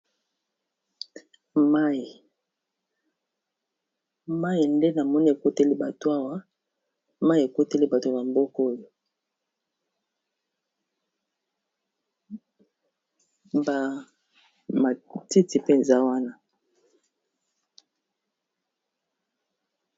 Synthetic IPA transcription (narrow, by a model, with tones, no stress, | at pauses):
ma˦˨ | ma˦ji˨nde˦na˨mɔ˦ni˦e˨ko˦te˦li˦ba˨to˨a˦wa˦ | ma˦i˨e˨ko˦te˦li˦ba˨to˨na˨mbo˦ko˦jo˨ | ba˨ | ma˨ti˦ti˨pe˦˨nza˦wa˦na˦